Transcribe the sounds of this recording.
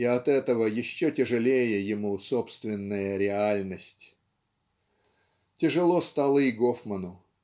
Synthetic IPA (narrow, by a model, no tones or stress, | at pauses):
iɐt̪ɛt̪əvəjɪɕːotʲɪʐɨlʲejəjɪmusopst̪vʲɪnːəjəɾʲɪalʲnəsʲtʲ | tʲɪʐɨlˠost̪alˠəiɡofmənʊ